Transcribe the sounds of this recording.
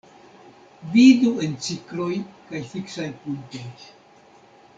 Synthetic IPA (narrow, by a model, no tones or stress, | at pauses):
vidue̞nt͡siklo̞jkajfiksajpuntoj